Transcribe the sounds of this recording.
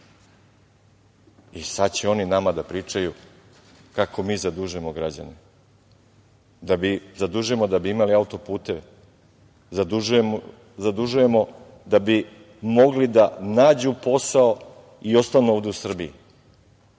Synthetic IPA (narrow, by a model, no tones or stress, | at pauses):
isad̪t͡ɕeo̞ninamad̪apɾiːt͡ʃaju | kakʰo̞miːzad̪uʒuemoɡɾad͡ʑa̰ni | d̪abizad̪uʒuemo̞d̪abiimaliaut̪o̞puːt̪e̞ʋe | zad̪uue | zad̪uʒuje̞mo̞ | d̪abi | mo̞ɡlid̪anaːd͡ʑupo̞sao | io̞st̪anuoːʋd̪eusr̩bii